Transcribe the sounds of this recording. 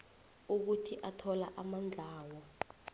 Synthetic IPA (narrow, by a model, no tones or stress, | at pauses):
uk̬utʰiʔatʰɔlaʔamand͡ɮʱaːwɔ